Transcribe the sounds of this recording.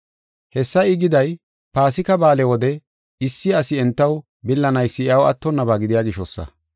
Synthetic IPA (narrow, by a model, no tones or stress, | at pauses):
hɛsːɐjɪɡɪd̪ɐj | paːsɪkɐbaːlɛwɔd̪ɛ | ɪsːɪɐsɪɛnt̪ːɐw | bɪlːɐnɐjsːɪɐwɐ̰t̪ːɔnːɐbaːɡɪd̪ɪjaːɡɪʃɔsːɐ̰